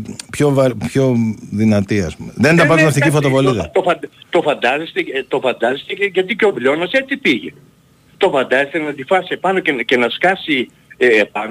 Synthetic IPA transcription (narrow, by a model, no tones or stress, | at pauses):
pçovɐɾpço̞ðinɐt̪iɐspumeðend̪ɐpɐnt̪imɐfθicifot̪ovoliðɐt̪ofɐt̪o̞fɐnd̪ɐzest̪et̪ofɐnd̪ɐzest̪eeʝɐt̪̬iceo̞vlo̞noset͡sipiʝḛ | t̪o̞fɐnd̪ɐzest̪enɐnd̪ifɐsiepɐnocecenɐskɐsiː | pɐno